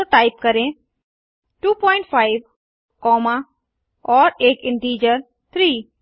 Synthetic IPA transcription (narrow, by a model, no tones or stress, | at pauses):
ʈaːɪp̚kəɾẽ | ʈuːpɔ̃ːɪ̃ɳʈpʰaːɪʋ | kɔːma | ɔːɾeːkɪ̃ɳʈiːd͡ʒəɾ | t̪ʰɾiː